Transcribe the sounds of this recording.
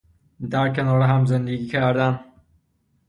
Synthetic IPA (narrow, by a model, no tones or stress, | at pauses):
d̪æɾkʰenɒːɾeɦæmzend̪eɡiːcʰæɾd̪æn